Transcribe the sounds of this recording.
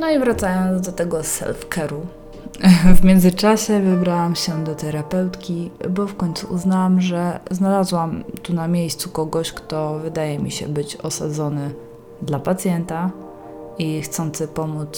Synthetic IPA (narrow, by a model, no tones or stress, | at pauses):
nɔivɾat̪sajɔnd̪zd̪ɔt̪ɛɡɔsɛ̰lfkɛɾu | vmʲjɛnd̪zɘt͡ʂaɕɛvɘbɾawamɕɛd̪ɔt̪ɛɾapɛwt̪kʲibɔfkɔɲʲt̪suʔuznawamʐɛznalazwamt̪unamʲjejst̪sukɔɡɔɕkt̪ɔvɘd̪ajɛmʲḭɕɛ̰bɘt͡ɕɔsad̪zɔnɘ | d̪lapat̪sʲjɛnt̪a | ixt̪sɔnt̪sɘpɔmut̪s